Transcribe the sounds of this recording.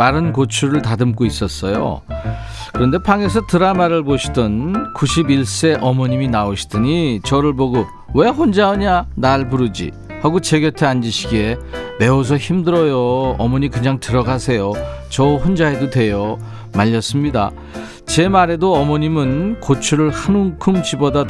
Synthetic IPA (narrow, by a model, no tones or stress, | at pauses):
maɾɯnkot͡ɕʰuɾɯɭtadɯmk͈ois͈ʌs͈ʌjo̰ | kɯɾʌnde̞pʰaŋe̞sʰʌtɯɾamaɾɯɭboɕʰi̥dʌnkuɕʰibiɭs͈e̞ʔʌmʌɲiminaoɕʰi̥d̥ɯɲit͡ɕʌɾɯɭboɡo | we̞ɸond͡ʑaʌɲanaɭpuɾɯd͡ʑḭ | haɡot͡ɕeɡjʌtʰeand͡ʑiɕʰiɡe̞me̞os̬ʰʌçimdɯɾʌjoʌmʌɲikɯɲaŋtɯɾʌɡasʰe̞jot͡ɕʌɸond͡ʑaedotwe̞jʌ | maʎːʌs͈ɯmɲida̰ | t͡ɕe̞maɾe̞doʌmʌɲimɯnkot͡ɕʰuɾɯɭhanuŋkʰɯmt͡ɕiboda